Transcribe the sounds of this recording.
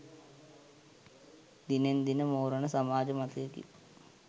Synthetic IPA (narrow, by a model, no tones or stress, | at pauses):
d̪inend̪inɐmoːrɐɳɐsɐmaːd͡ʒɐmɐt̪jɐkḭ